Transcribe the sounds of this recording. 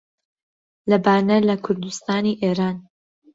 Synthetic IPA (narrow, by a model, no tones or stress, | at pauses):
lɐbaːnɐlɐkʰʊɾd̪ust̪aːniʔeːɾaːn